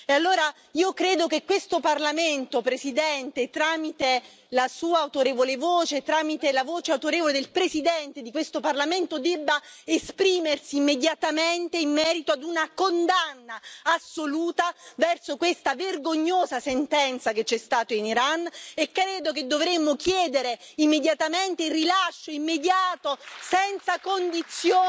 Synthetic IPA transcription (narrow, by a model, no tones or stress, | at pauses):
ealːoːɾa | iːokɾeːd̪okekːwest̪oparlament̪opɾesid̪ɛnt̪et̪ɾaːmit̪e | lasuːaːwt̪oɾeːvolevoːt͡ʃet̪ɾaːmit̪elavoːt͡ʃeawt̪oɾeːvoled̪elpɾesid̪ɛnt̪ed̪ikwest̪oparlament̪od̪ɛbːaespɾiːmersiːmːed̪jat̪ament̪eimːɛːɾit̪oad̪unakond̪anːaasːoluːt̪avɛrsokwest̪averɡoɲːoːzasent̪ɛnt̪saket͡ʃːɛst̪aːt̪oiniɾanːekːɾeːd̪ok̬ed̪ːovɾemːok̟jɛːd̪eɾeimːed̪jat̪ament̪eirilaʃːoimːed̪jaːt̪osɛnt̪sakond̪it̪sːjoː